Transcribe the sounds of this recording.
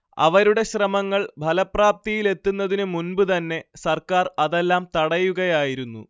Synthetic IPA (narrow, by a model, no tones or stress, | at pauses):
ɐ̰ʋɐɾuɽe̞ɕrɐmɐŋːɐɭbʱɐlɐpraːp̚t̪ijile̞t̪ːunːɐðinɨmunbɨt̪ɐnːe̞sɐrkaːrɐðe̞lːaːmt̪ɐɽɐjuɣɐjaːjiɾunːṵ